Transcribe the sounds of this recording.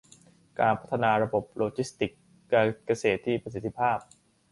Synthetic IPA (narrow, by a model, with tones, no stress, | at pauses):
kaː˧npʰa˦˥t̪ʰːa˧naː˧ɾa˧bo˨˩p̚loː˧t͡ɕi˦˥st̪i˨˩kː | a˧ka˧seː˨˩t̪ʰːiː˥˩pɾasi˨˧˩t̪ʰːi˦˥pʰaː˥˩p̚